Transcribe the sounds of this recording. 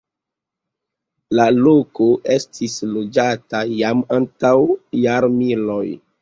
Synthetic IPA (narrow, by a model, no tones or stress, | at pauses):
lalo̞ko̞ʔe̞stʰislo̞d͡ʒatajamantawjaɾmiloj